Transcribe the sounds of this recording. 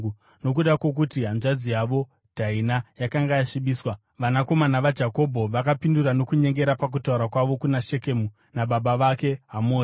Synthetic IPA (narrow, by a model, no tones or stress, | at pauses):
no̞k̬uɗakwo̞k̬utiɦanʐad͡zijaʋo̞ | d̥ʱainajakaŋɡajaʃiɓiːswa | ʋanako̞manaʋad͡ʒako̞bʱo̞ʋakapinduɾano̞kuɲe̞ŋɡe̞ɾapak̬utauɾakwaʋo̞kunaʃekemu | naɓaɓaʋake̞ɦamoː